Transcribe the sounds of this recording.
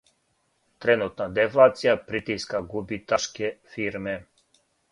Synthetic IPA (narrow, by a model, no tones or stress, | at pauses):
t̪ɾɛnut̪nad̪ɛflˠat̪sijapɾit̪iskaɡubit̪aʃkɛfiɾmɛ